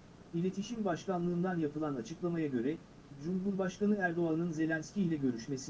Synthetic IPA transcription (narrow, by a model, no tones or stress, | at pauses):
ilʲe̞t̪ʰiʃimbaʃkanlˠɯːnd̪anjapʰɯlˠanat͡ʃʰɯklˠamajaɟø̞ɾɛ | d͡ʒumɦuɾbaʃkanɯæɾd̪o̞anɯnze̞lʲænscʲiːlʲɛɟø̞ɾyʃme̞si